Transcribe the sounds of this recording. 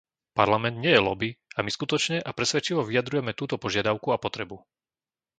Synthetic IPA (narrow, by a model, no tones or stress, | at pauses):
pa̰ɾlamɛnd̪ɲɪɛjɛlɔbiamiskut̪ɔt͡ʃɲɛʔapɾɛsʋɛt͡ʃiʋɔʋiad̪ɾujɛmɛt̪uːt̪ɔpɔʒɪad̪aʊkuapɔt̪ɾɛbu